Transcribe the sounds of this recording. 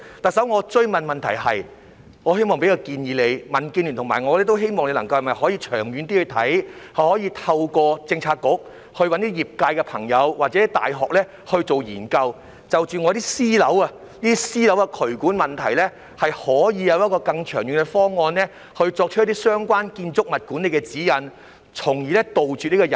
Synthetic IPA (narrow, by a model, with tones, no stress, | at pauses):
t̪ɐ˨k̚sɐ˨˥wŋɔː˨˧t͡ʃɵ˥ɥmɐ˨˩nmɐ˨nt̪ʰɐ˨˩jɦɐ̰˨j | ŋɔː˨˧he˥jmɔː˨ŋpe˨˥jkaː˧kiː˧njiː˨˧le˨˧jmɐ˨˩nkiː˧nlyː˨˩nt̪ʰŋma̰ː˨˩jŋɔː˨˧lɛː˥t̪o˥wɦe˥jmɔː˨ŋle˧lɐ˨˩ŋkɐ˧whɐ˨˩mɐ˨jhɔː˨˥jiː˧t͡ʃʰœ̰ː˨˩ŋjyː˨˧nt̪i˥hɵ˧t̪ʰɐ̰˨˥jhɐ˨jhɔː˨˥jiː˧t̪ʰɐ˧wkɔː˧t͡sɪ˧ŋt͡sʰaː˧t̚kʊ˨˥k̚ | hɵ˧ɥwɐ˨˥nt̪iː˥jiː˨˩p̚kaː˧jkɛ˧pʰɐ˨˩ŋjɐ˨˧wwaː˨˩t͡sɛː˨˥i˥t̪a̰ː˨jɦɔː˨k̚lɛː˥ | hɵ˧ɥt͡so˨wjiː˨˩nkɐ˧w | t͡sɐ˨wt͡ʃyː˨ŋɔː˨˧ɾiː˥siː˥lɐ˨˥wɐ˧ | niː˥t̪i˥siː˥lɐ˨˥wɐ˧kʰɵ˨˩ɥkuː˨˥nmɐ˨˩nt̪ʰɐ˨˩jlɛː˥ | hɐ˨jhɔː˨˥jiː˨˧jɐ˨˧wjɐ˥t̚kɔː˧kɐ˧ŋt͡ʃʰœː˨˩ŋjyː˨nkɛ˧fɔː˥ŋɔː˧nlɛː˥ | hɵ˧ɥt͡sɔː˧k̚t͡ʃ̚ʰt̪iː˥sœː˥ŋkwaː˥nkiː˧nt͡sʊ˥k̚mɐ˨t̚kuː˨˥nle˨˧jkɛ˧t͡siː˨˥jɐ˨˧n | t͡sʰʊ˨˩ŋjiː˨lɛ˥t̪o˨wt͡ʃyː˨t̚ni˥kɔː˧jɐ˨n